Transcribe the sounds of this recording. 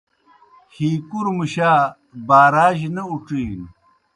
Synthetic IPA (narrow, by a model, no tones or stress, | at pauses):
hiːkuɾmuɕaː | baːɾaːʑnɐuʈ͡ʂiːn